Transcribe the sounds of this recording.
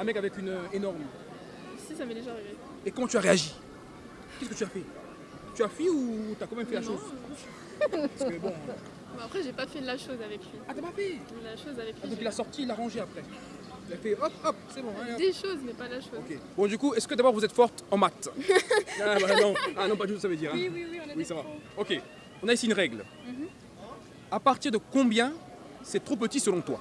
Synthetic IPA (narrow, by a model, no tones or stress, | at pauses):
ɛ̃mɛkavɛkynøenɔʁm | sisamɛd̪eʒaʁeve | ekɔmɑ̃t̪yaʁeaʒi | kʲɛskət̪yafɛ | t̪yafiut̪yakɔ̃mɛmfɛlaʃoz | psəbɔ̃ | bɛ̃apχɛʒepafɛlaʃozavɛklɥiat̪yapafɛlaʃozavɛkd̪ɔ̃kilasɔʁt̪ilaʁɑ̃ʒeapχɛ | ilafɛɔpɔp̚sɛbɔ̃ɛ̃d̪eʃozmɛpalaʃoɔkʲebɔ̃d̪ykuɛskəd̪abɔʁvuzɛt̪fɔʁt̪ɑ̃mat̪ | abanɔ̃anɔ̃pad̪yt̪usavəd̪iːʁɛ̃iwiwĩwiisavaɔkʲe | ɔ̃naisiynʁɛɡl | apaʁt̪iʁd̪əkɔ̃bjɛ̃ | sɛt̪χop̬ət̪isəlɔ̃t̪wa̰